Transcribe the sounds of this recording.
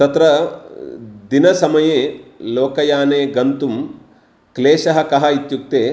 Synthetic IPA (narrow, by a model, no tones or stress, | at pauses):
t̪ɐt̪ɾɐ | d̪inɐsɐmɐjeːloːkɐjaːneːɡɐnt̪um | kleːʃɐɦɐ̆kɐɦɐit̪juk̚t̪eː